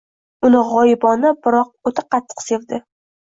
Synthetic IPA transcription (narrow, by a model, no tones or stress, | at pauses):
ʊnɪʁɒjɪbɒnɪbɪɾɒq̚ot̪ʰaqʰɑt̪ʰːɨ̥qse̞vd̪ɪ